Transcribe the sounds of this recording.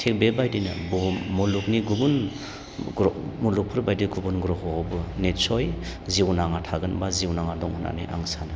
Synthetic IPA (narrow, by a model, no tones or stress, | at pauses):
tʰek̚bebajdinɯbɔmuluk̚niɡuɡun | ɡɾɔmuluk̚pʰɯɾbajdiɡubunɡɾɔɦɔawbɯnetsɔj | ziwnaŋatʰaɡɯnbaziwnaŋadɔŋuna̰nḭjʔa̰ŋsanɯ